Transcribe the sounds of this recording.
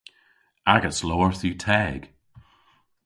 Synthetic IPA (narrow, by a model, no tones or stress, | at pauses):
aɡətsloːəɹθʉːtʰɛːɡ̥